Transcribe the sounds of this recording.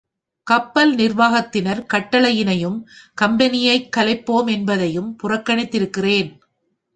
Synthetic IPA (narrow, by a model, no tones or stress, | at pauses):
kɐpːɐlnɪɾʋaːɣɐt̪ːɪnɐɾkɐʈːɐɭɐjɪnɐjɯmkɐmbɐnɪjɐɪkːɐlɐɪpːoːmɛnbɐðɐjɯmpʊrɐkːɐɳɪt̪ːɪɾɯkːɪreːn